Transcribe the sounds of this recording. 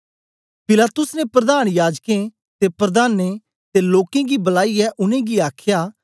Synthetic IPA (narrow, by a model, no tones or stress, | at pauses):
pɪlaːt̪ʊsnepɾɐd̪aːñjaːd͡ʒkẽ | t̪epɾɐd̪aːnːe | t̪eloːkẽɡibɐlaːiɛʔʊnẽɡiaːkʰjaː